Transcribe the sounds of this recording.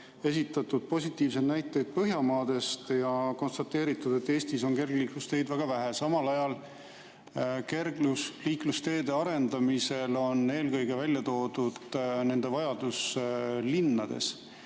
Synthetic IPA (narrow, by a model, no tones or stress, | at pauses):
e̞s̬ʲit̪ːˑɑt̪ːˑud̪̥̚po̞sʲit̪ˑːiːvs̬e̞d̪næjt̪ːˑejd̪̥̚pɤɦjɑmɑːd̪̥e̞st̪jɑko̞nst̪ɑt̪ːe̞ːɾit̪ːˑud̪̥e̞t̪ːeːsʲt̪iso̞ŋke̞rɡ̥liːklust̪e̞ːd̪væɡ̥ɑvæɦesɑmɑlɑjɑl | ke̞rɡlusliːklust̪e̞ːd̪̥e̞ɑɾe̞nd̪ɑmise̞lo̞ne̞ːlkɤjɡ̥e̞vælʲjɑt̪o̞ːd̪̥ud̪̥ne̞nd̪̥e̞vɑjɑd̪̥uslinːɑd̪e̞̰s